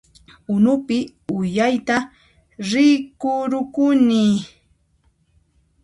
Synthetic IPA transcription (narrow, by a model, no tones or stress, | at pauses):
ʊnʊpɪ | ʊjajt̪a | ɾɪkʊɾʊkʊni